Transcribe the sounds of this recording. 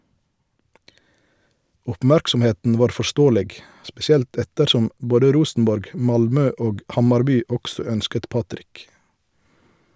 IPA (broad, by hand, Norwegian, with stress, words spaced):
ɔpˈmæɾksɔmˌheːtn̩ ˈʋɑːʁ fɔˈʃtoːəlɛɡ spɛsɪˈɛlt ˈɛtəɾˌʃɔm ˈboːdə ˈɾuːsn̩ˌbɔɾɡ ˈmɑlˌmøː ˈoːɡ ˈhɑmɑɾˌbyː ˈɔɡsɔ ˈœnskət ˈpɑtɾɪk